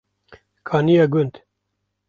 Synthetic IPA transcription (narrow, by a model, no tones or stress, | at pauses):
kʰɑːnijɑːɡʊnd̪